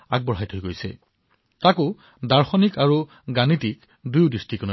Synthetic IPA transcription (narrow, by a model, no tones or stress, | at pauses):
aɡ̚bɔɹɦajtʰojɡojsɛ̰ | takʊ | daɹxɔnikaɹu | ɡanitik | dujʊdistikɔno